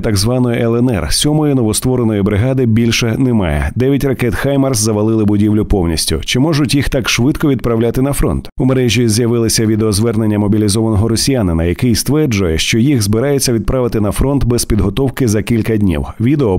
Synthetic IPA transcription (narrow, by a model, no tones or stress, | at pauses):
t̪ɐɡzʋɑnɔjiʔɛlˠɛnɛ̰rsʲɔmɔjinɔʋɔst̪ʋɔɾenɔjibɾɪɦɑd̪ɪbʲilʲʃɛnɛmɑ̰jɛ̰d̪ɛɐtʲrɐkɛt̪xajmɐrszɐʋɐlˠɪlˠɪbʊdʲiwlʲʊpɔwnʲḭsʲtʲʊ̰t͡ʃɪmɔʒʊtʲjixt̪ɑkʃʋɪd̪kɔʋʲid̪̚pɾɐwlʲat̪ɪnɐfɾɔ̰nt̪umeɾɛʒʲizjɐʋɪlˠɪsʲɐʋʲid̪eɔzʋɛrnenʲːɐmɔbʲilʲizɔʋɐnɔɦɔɾɔsʲijanɪnɐjɐkɪjst̪ʋɛrd͡ʒʊjɛʃt͡ʃɔjixzbɪɾajet͡sʲːɐʋʲid̪̚pɾaʋɪt̪ɪn̪ɐfɾɔnt̪bɛspʲid̪ɦɔt̪ɔwkɪzɐkʲilʲkɐdʲnʲḭwʋʲid̪eɔ